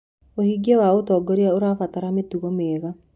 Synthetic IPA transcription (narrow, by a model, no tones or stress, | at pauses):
ohiɡewaotɔɡɔɾeaoɾafataɾametuɣɔmeːɣa